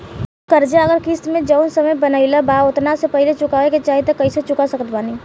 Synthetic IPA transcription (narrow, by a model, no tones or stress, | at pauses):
kəɾd͡ʒaəɡəɾkist̪mẽd͡ʒəʊnsəməjbənəɪlabaʊt̪nasepəɦlet͡ʃʊkaːʋeket͡ʃaːɦit̪ekɐiset͡ʃʊkasəkət̪baːni